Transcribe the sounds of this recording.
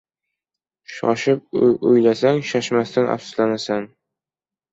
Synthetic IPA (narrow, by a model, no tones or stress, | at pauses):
ɕɒ̰ɕɤp̚ʉjlæsæŋɕɒʃmæst̪ænʔɒ̰psu̥slɑnæsæŋ